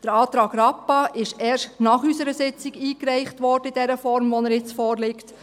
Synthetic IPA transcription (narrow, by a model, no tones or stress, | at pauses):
d̥əɾɑːt̪ɾɑːɡɾɑpːɑʔɪʃɛːʃtnɑχysəɾəsɪt͡sɪɡiːkɾɛɪχtʋɔɾd̥əidɛɾəfɔɾmʋɔnəɾjɪt͡sfɔːɾlɪkt